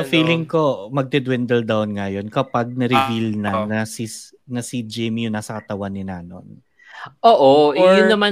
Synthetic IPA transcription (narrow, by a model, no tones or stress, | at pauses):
ɐfiːlɪŋko̞mɐɡ̚d̪ɛd̪wɛnd̪ɛld̪awnŋɐjo̞nkɐpaɡ̚nɐɾɪvilnɐnɐsi | nɐsid͡ʒɛjmijʊŋnaːsɐkɐt̪ɐwanːɪna̰ːno̞̰n | ʔoːʔoʔjʊnːɐma